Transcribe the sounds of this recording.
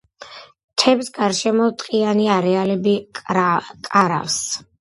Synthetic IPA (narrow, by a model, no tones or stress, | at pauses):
t̪ʰɛbsɡaɾʃɛmɔt̪ʼqʼianiaɾɛalɛbi | kʼaɾa̰fs